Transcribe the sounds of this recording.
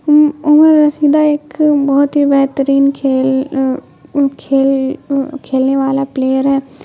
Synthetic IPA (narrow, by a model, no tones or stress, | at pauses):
ʊməɾːəsiːd̪aːɪkbɔːt̪ɦibɛɦt̪əɾiːnkʰeːl | kʰeːlkʰeːlneːʋaːlapleːjəɾɦɛː